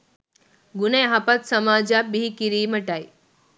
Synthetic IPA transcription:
ɡuneɦapat̪sɐmaːd͡ʒabiikiɾiːməʈaj

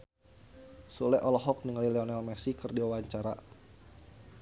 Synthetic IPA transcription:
sulɛʔɔlɔɦɔk̚niŋlilɛɔnɛlmɛsikɨrdiwawaɲt͡ʃaɾa

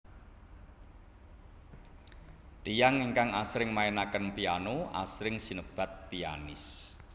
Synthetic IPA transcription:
t̪ijaŋiŋkaŋasɾɪŋmaenakənpianoʔa̰sɾɪŋsinəb̥a̤t̪̚pia̰nɪs

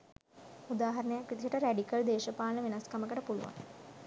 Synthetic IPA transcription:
ud̪aːɦaɾənəjakrit̪iʃəʈəɾæɖikəld̪eːʃəpaːlnəʋenaskaməkəʈəpulṵʋa̰n

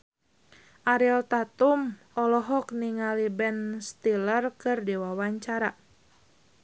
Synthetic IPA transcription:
ʔaɾiɛlt̪at̪um | ɔlɔɦɔkniŋalibɛnst̪ilərkɨrdewawaɲt͡ʃaɾa

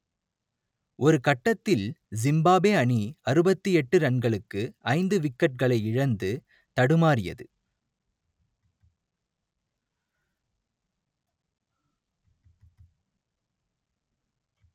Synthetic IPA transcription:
ʔɔɾɯkɐʈːɐt̪ːɪlzɪmbaːbeːɐɳiɐɾɯbɐt̪ːiɛʈːɯɾɐɳɡɐɭɯkːɯʔɐɪnd̪ɯʋɪkːɐʈ̚kɐɭɐɪɪɻɐnd̪ɯ | t̪ɐɽɯmaːɾɪjɐ̰ðɯ

